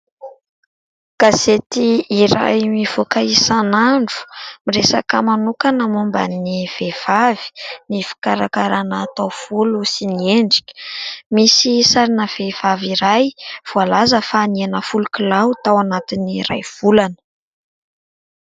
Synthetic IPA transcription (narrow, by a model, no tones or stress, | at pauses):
ɡ̥aset̪iiɾa̰jmiv̥okaisanaɳɖ͡ʐu̥miɾesa̰kəmanukanəmumba̰niv̥ev̥avi̥nifi̥kaɾakaɾanaːt̪awv̥ulusinieɳɖ͡ʐi̥kʲə̥misisaɾinəv̥ev̥aviɾajv̥ualazəfaːnianəfulukilawt̪awanat̪iniɾajv̥ulanə̥